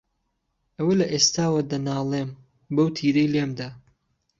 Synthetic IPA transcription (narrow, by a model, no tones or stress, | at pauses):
ʔɐwɐlɐʔeːst̪aːwɐd̪ɐnaːlˠeːm | bɐwt̪ʰiːɾejlemd̪aː